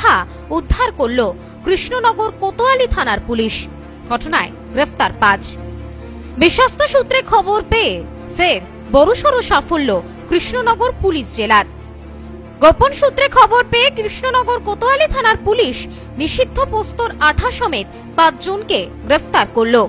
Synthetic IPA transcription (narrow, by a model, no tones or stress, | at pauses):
a | ud̪ʱːaɾkoɾlo | kɾiʃnonɔɡoɾkot̪oalit̪ʰanaɾpuliʃ | ɡʱɔʈonae | ɡɾeft̪aɾpat͡ɕ | biʃːɔst̪ʰoʃut̪ːɾekʰɔboɾpee | feɾ | bɔɾuʃɔɾoʃafolːo | kɾiʃnonɔɡoɾpuliʃd͡ʑelaɾ | ɡoponʃut̪ːɾekʰɔboɾpeekɾiʃnonɔɡoɾkot̪oalit̪ʰanaɾpuliʃ | niʃid̪ʱːopost̪oɾaʈʰaʃɔmet̪̚ | pãt͡ɕd͡ʑonke | ɡɾeft̪aɾkoɾlo